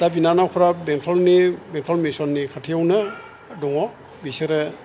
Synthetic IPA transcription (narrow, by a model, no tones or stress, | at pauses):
d̥abinanawpʰɾabeŋtʰɔlnibeŋtʰɔlmisɔnːikʰatʰijawnɯ | dɔŋɔ | biseɾɯ